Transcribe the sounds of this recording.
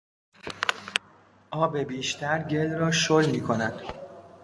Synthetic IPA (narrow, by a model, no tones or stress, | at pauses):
ʔɒːbe̞biːʃt̪ʰæɾɟe̞lrɒːʃolmiːkʰo̞nænd̪̥